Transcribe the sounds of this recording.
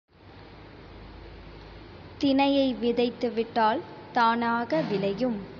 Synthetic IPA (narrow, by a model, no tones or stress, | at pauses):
t̪ɪnɐjɐɪʋɪðɐɪt̪ːɯʋɪʈːaːlt̪aːnaːɣɐʋɪlɐjɯm